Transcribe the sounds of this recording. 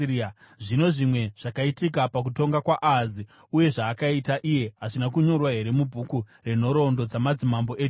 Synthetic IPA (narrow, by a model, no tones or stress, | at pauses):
ʐino̞ʐimwe̞ʐ̥akaitikapak̬uto̞ŋɡakwaʔazi | uje̞ʐaːkaitaʔije̞ɦaʐinakuɲo̞rwaɦe̞ɾe̞mubʱuku | re̞n̤o̞ɾo̞ndo̞d͡zamad͡zimambo̞ʔeːt͡ʃ